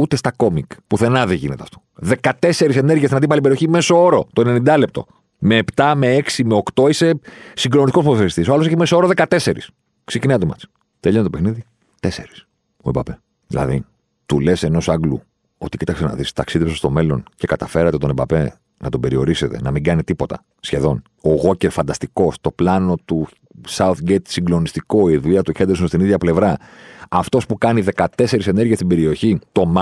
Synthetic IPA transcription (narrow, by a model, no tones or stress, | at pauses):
ut̪e̞st̪ɐko̞mikpuθe̞nɐðeʝine̞t̪eɐft̪o̥ðe̞kɐt̪e̞se̞ɾiseneɾʝiɐst̪inɐt̪ipɐlipeio̞çimesoo̞ɾo̞t̪o̞ene̞nind̪ɐlep̚t̪o̞̰ | me̞ːpt̪ɐme̞eksimeo̞kt̪o̞ise̞siŋɡɾonit̪ikospoðoθeist̪isoɐloseçemesoo̞ɾo̞ðekɐt̪e̞se̞ɾḭs | ksecineɐt̪emɐ̰t͡si̥ | t̪eʎo̞nt̪t̪o̞pexniði | t̪e̞se̞ɾi̥s | oebɐpe̞ | ðḭlɐ̰ði | t̪ule̞se̞no̞sɐŋɡlṵ | o̞̰t̪i̥cit̪ɐksenɐ̰ðist̪ɐksiðepsest̪o̞me̞lo̞nce̞kɐt̪ɐfe̞ɾɐt̪e̞t̪o̞nebɐpe̞ | nɐt̪o̞be̞ɾio̞ɾise̞t̪e̞̰nɐmiŋɡɐnit̪ipo̞t̪ɐ̰ | sçe̞ðo̞n | oɣo̞ce̞ɾfɐnd̪ɐst̪iko̞st̪o̞plɐno̞t̪u | sɐuθɡet̪siŋɡlo̞nist̪iko̞iðuʎɐt̪uçend̪esost̪iniðʝɐple̞vɾɐɐft̪o̞spukɐniðe̞kɐt̪e̞se̞ɾise̞ne̞ɾʝiest̪ibe̞ɾio̞çit̪o̞m